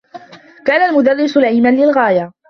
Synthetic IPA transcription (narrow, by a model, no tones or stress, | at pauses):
kaːnalmʊd̪arːɪsʊlaʕiːmanlɪlɣaːja